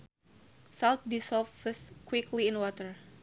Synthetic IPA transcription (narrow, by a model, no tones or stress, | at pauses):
salt̪̚disɔffəskwɪkʰliɪ̃nwɔt̪əɹ